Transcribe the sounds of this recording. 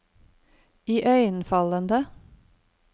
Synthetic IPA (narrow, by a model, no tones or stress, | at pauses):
iːʔœʏənfɑlənd̪ə